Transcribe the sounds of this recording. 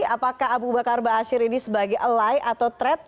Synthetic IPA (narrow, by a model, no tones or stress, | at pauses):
apakaɦabubakarbaːsɪɾinisəbaɡɛjʔəlajʔat̪awt̪ɾɛp̚